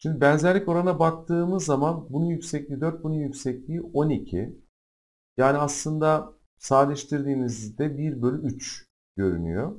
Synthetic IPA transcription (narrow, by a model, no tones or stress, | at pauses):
ʃimd̪ibænzæɾlʲɛco̞ɾanabak̚t̪ʰɯːmɯzːamanbunujycsɛclʲid̪øɾt̪̚bunujycsɛclʲiːʔo̞nicʰi | jaːniaslˠɯnd̪a | saːlʲɛʃt̪ʰiɾd̪iːmizd̪ɛbiɾbølʲyyt͡ʃ | ɟ̥ø̞ɾy̰ny̰jo